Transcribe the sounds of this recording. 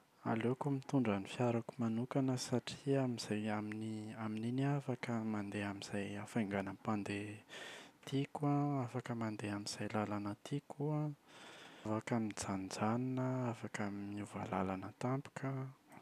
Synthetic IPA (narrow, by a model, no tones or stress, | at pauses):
a̰lekumit̪uɳɖ͡ʐanifjaɾakumanukanəsaʈ͡ʂiamiz̥ajaminiamininiafakəmand̪eamiz̥ajafaŋɡanəpand̪e | t̪ʰikwaafakəmand̪eamiz̥ajlalanət̪ʰikua | vakamind͡zand͡zaninəafakamimiuva̰lalanət̪ampu̥kʰə